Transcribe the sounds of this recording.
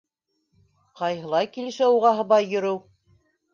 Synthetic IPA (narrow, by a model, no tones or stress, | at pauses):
qɑjɦɤ̆lˠɑjkilɘ̆ʃæuʁɑɦɤ̆βɑjːɵ̆ɾɘw